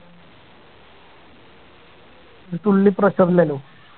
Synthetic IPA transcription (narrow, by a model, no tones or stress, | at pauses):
t̪ulːiːpɾəsəɾlelo